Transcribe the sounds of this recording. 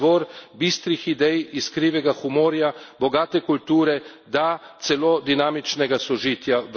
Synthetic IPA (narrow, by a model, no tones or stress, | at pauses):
ʋɔːɾbist̪ɾixid̪ɛjiskɾiːʋɛɡaxumoːɾjabɔɡaːt̪ɛkult̪uːɾɛ | d̪at̪sɛlod̪inaːmit͡ʃnɛɡasɔʒiːt̪jaʋ